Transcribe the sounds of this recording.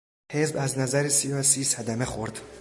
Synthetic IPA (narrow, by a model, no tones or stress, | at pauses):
hezbæznæzæɾisijɒsisæd̪æmeχoɾd̪